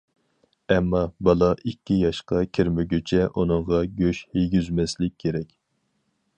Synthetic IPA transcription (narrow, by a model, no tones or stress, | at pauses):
ɛmːɑbɑlˠɑʔikʲːijɑʃqɑkʲʰiɾmɪɡʲøt͡ʃʰɛʔunɨɴʁɑɡʲøʃhejɡʲyzmɛslɪk̚ʲʰːeɾɛkʲ